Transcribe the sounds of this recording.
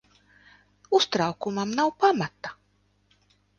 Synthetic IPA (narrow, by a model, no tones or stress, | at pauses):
ust̪ɾawkumamnawpamat̪a